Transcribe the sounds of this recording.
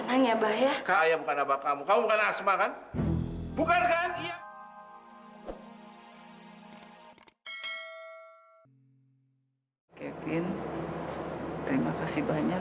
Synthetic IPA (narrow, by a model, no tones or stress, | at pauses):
naŋjabahjakaajabukanabakamukamubukanasmakan | bukankania | kɛfɪn | t̪əɾimakasibaɲa